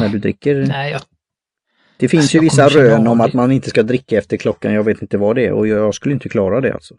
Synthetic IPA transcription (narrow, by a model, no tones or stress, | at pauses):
næɖɵd̪ɾɪ̰kːəɾ | d̪̥ɛfɪnsjɵvɪsːaɾøːnɔmat̪manɪnt̪əskad̪ɾɪkːaɛft̪əɾkʰlɔkːa̰njɑːɡveːt̪ɪnt̪əvad̪ɛɛ̰ɔ̰jjɑːɡskɵlːɪnt̪əkʰlɑːɾad̪ɛ̰a̰lt̪sɔ̥